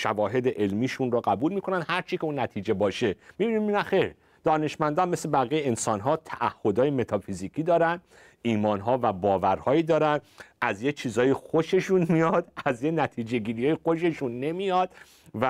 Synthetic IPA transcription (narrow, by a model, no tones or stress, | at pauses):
ʃævɒːɦe̞d̪eʔelmiːʃunrɔɣæbuːlmiːkʰo̞nænd̪hæɾt͡ʃʰicʰeuːnːæt̪ʰiːd͡ʒe̞bɒːʃe̞mibiniminæxeɾ | d̪̥ɒːne̞ʃmænd̪ɒmmeslebæɣijeensɒnɦɒːt̪ʰæʔæhːo̞d̪ɒːjeme̞t̪ʰɒfiziːkʰiːd̪ɒːɾænd̪ | iːmɒːnɦɒːvæbɒːvæɾhɒːjiːd̪ɒːɾænʔæzjet͡ʃʰiːzɒːjexoʃe̞ʃunmijɒd̪̥æzjenæt̪ʰiːd͡ʒe̞ɡiːɾijɒːjexo̞ʃe̞ʃunːe̞mijɒd̪̥ | væ